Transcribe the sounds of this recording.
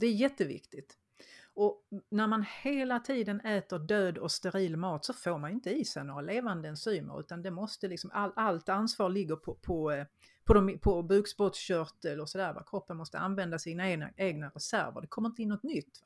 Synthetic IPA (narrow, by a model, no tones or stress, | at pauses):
d̪ɛæɾjɛt̪ːəvɪ̰kt̪ɪt̪ | ɔnæɾmanheːlat̪ʰiːd̪ənɛːt̪əɖøːd̪ɔst̪ɛɾiːlmɑːt̪sɔfoːɾmanɪnt̪əiːsɛnoːɾaleːvand̪əɛnsyːmə̰ɾʉ̟̰ːt̪and̪ɛmɔst̪əlɪksɔmʔalalt̪ansvɑːɾɭɪɡːəɾpʰɔpʰɔ | pʰɔd̪ɔmpʰɔbʉːksbɔt̪sɕœɾt̪əlɔsɔd̪æːɾva̰kʰɾɔpːənmɔst̪əanvɛnd̪asiːnaeːɡna̰eːɡnaɾɛsæ̰ɾvə̰ɾɖ̪ɛkʰɔmːɾɪnt̪əɪnːɔt̪nʏt̪ː